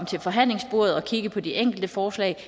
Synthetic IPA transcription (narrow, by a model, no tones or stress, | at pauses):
m̰t͡sʰe̝lfɒ̽ɦæn̰le̝ŋsb̥o̝ɐ̰ð̩ˠɒ̽kʰiɡ̥əpʰɒ̽d̥iʔeŋ̰ɡ̥l̩d̥əfɒːslɛ̰ɪ